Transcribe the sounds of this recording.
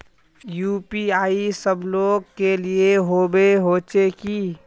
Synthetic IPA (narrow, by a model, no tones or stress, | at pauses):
juːpiaːisəbloːɡkelieɦoːbeɦoːt͡ʃekiː